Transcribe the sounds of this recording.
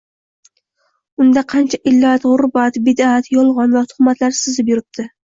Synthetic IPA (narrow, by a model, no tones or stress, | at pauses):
ʊnd̪aqʰɑnt͡ʃʰaʔɪlːat̪ʁʊɾbat̪bɪd̪at̪jɒlˠʁɒnvat̪ʰʊ̥χmat̪ʰlaɾsɪzɪpjʊɾɪp̚t̪ʰɪ